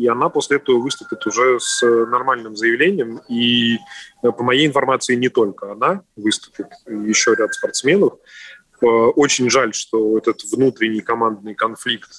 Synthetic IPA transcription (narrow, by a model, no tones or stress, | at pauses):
iɐn̪apo̞sʲlʲɪɛt̪əvəvɨst̪ʊpʲɪt̪ʊʐɛsnɐrmalʲnɨmzəjɪvlʲenʲɪjəmi | pəmɐjejɪnfɐrmat̪sɨɪnʲɪt̪o̞lʲkəɐnavɨst̪ʊ̥pʲɪt̪jɪɕːoɾʲat̪spɐrt̪smʲe̞nəf | əʔot͡ɕɪnʲʐalʲʂt̪o̞ɛt̪ət̪vnut̪ɾʲɪnʲɪjkɐmand̪̚nɨjkɐnflʲikt̪